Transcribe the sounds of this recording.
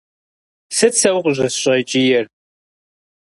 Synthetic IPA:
sɨt͡sʰɐwqʷʼʑʷɨsɕʷʼɐt͡ʃʼijɛr

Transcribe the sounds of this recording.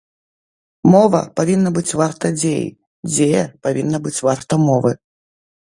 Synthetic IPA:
mɔvɐ̰pavʲinːɐbɨt͡sʲvart̪ɐd͡zʲejḭ | d͡zʲejɛ̰pavʲinːɐbɨt͡sʲvart̪ɐmɔvɨ

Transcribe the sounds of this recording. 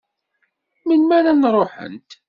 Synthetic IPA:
mənmæɾanrˤoħə̰nt̪

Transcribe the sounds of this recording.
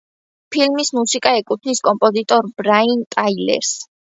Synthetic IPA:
pʰilmismusikʼaɛkʼut̪ʰniskʼɔmpʼɔzit̪ʼɔɾbɾaint̪ʼailɛ̰ɾs

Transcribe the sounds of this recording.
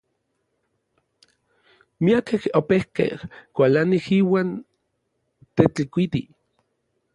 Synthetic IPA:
miakehopehkḛhkʷalanihiːwaːn | t̪et͡ɬikʷit̪ḭ

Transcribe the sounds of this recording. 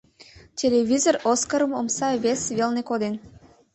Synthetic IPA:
tʲʰelʲeβʲizoroskəɾə̆momsɑβʲesβelnekod̪en

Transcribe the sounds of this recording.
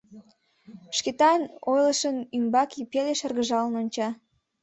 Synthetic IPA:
ʃket̪ɑnojləʃənymbɑkipeleʃərɣəʒɑlənonʲt͡ɕɑ

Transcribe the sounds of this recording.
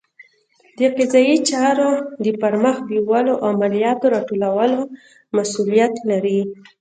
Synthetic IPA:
d̪əqɪzɑjit͡ʃɑɾod̪əpaɾməxbiwaloʔaamalijɑt̪oɾɑʈolawəlo | masulijat̪laɾi

